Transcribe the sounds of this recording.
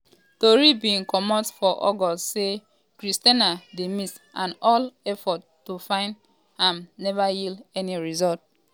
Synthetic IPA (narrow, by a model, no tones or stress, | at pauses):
toɹibiĩnkɔmɔdsfɔʔɔɡɔstse | kɹistanademis | ʔãnɔlɛfɔtːufãɪ̃nd | hãmnɛvajildɛniɹizɔlt̚